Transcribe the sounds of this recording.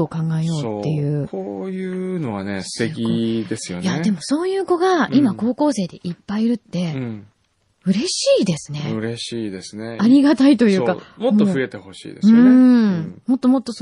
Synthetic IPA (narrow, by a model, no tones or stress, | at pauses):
oːkãŋɡaejo̞ːt̪ːe̞jɯ̟ːkojɯ̟no̞βa̰nest̪ekʲid̪esɨjo̰njae̞mo̞so̞ːjɯ̟ːko̞ɡaimako̞ːko̞ːse̞ːd̪e̞ʔipːaiɾɯ̟t̪ːe̞ | ɯ̟ɾe̞ɕiːd̪e̞sɨne̞ɯ̟ɾeɕiːd̪esɨneaɾʲiɡat̪ait̪o̞jɯ̟ːkamotmoːoɯe̞t̪eho̞ɕḭːd̪esɯ̟̃ | mo̞t̪ːo̞mo̞t̪ːos